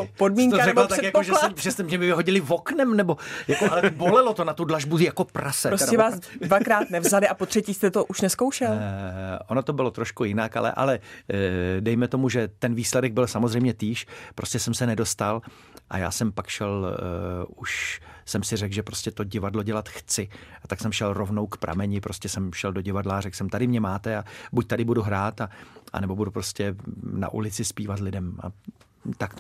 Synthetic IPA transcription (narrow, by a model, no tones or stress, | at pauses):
podmiːŋk̪aɾɛlt̪aɛkjakoʒɛamʒɛst̪ɛmʒɛmɪvɪɦoɟɪlɪvo̞knɛmnɛbo̞jakohɛlɛbolɛlo̞t̪o̞nat̪udlaʒbuzijako̞pɾʔasɛɾoɛvaːsdvakɾaːt̪nɛvzalɪʔapot̪r̥ɛciːst̪ɛt̪oʔuʃnɛskowʃɛlʔonot̪o̞bɪlo̞t̪ɾo̞ʃkujɪnaka̰lɛ̰ʔa̰lɛ | dɛjmɛt̪o̞muʒɛt̪ɛnviːslɛdɛɡ̚bɪlsamozrɛjmɲɛt̪iːʃpɾo̞scɛsɛmsɛnɛdo̞st̪al | ʔa̰ja̰ːsɛmpakʃɛl | uʃsɛmsɪrɛkɡʒɛpɾoscɛt̪o̞ɟɪvadlo̞ɟɛlat̪xt͡sɪat̪aksɛmʃɛlɾo̞vnowkpɾʔa̰mɛɲɪpɾo̞scɛsɛmʃɛldo̞ɟɪvadlaːrɛklsɛmt̪adɪmɲɛmaːt̪ɛabuc̚t̪adɪbuduɦɾaːt̪aʔa̰nɛbo̞budupɾo̞scʲɛna̰ʔṵlɪt͡sɪspiːvat̪lɪdɛma̰ | t̪ak